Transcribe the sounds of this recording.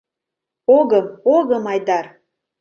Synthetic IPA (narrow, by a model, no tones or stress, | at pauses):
oɣəmoɣəmɑjd̪ɑr